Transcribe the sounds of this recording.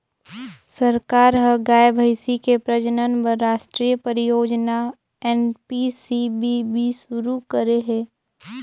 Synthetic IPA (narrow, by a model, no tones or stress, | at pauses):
səɾkaːɾɦəɡaːjbʱəɪsikepɾəd͡ʒənənbəɾːaːʃʈɾijəpəɾɪjoːd͡ʒna | ɛːnpisibibʱiʃʊɾukəɾeɦɛ̃ː